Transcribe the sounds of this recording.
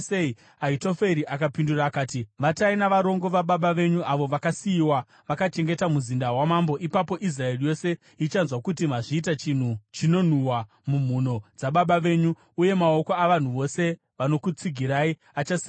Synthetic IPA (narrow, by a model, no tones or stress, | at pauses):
sei | aitofe̞ɾiʔakapinduraːkaːtiʋatainaʋaɾo̞ŋɡoʋaɓaɓaʋe̞ɲuʔaʋo̞ʋakasiːwa | ʋakat͡ʃe̞ŋɡe̞tamuzindawamambo̞ʔipapo̞ʔis̬rae̞rijo̞se̞ | it͡ʃanzwakutim̤aʐiːt̬at͡ʃin̤ut͡ʃino̞n̤uwa | mum̤uno̞d͡zaɓaɓaʋe̞ːɲu | uje̞mao̞ko̞aʋan̤uʋo̞se̞ | ʋano̞kut͡siɡʱiɾai | at͡ʃas